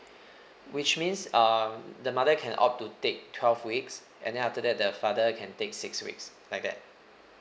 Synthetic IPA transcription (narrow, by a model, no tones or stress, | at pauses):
wit͡ʃmĩnsʌdəmadəkʰɛ̃nʔɔ̰p̚tutek̚tʰwɛlvwiks | ʔɛ̰̃ndɛ̃naftədɛt̚dəfadəkʰɛ̃ntek̚sɪkswḭkslajk̚dɛ̰t̚